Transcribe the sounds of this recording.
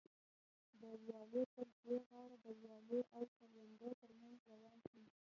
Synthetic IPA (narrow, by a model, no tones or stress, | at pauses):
d̪əwjɑlopəɾdoɣɑɽad̪əwjɑloʔawsaɾjand̪ət̪əɾmanzɾawɑlʃi